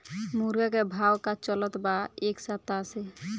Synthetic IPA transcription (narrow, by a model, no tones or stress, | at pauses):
muɾɡakebʱawkat͡ʃɔlɔt̪baeksat̪ːase